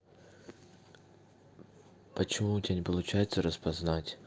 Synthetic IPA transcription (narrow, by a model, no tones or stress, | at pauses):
pət͡ɕɪmutʲanʲɪpəlˠʊt͡ɕæjɪt̪səɾəspɐznatʲ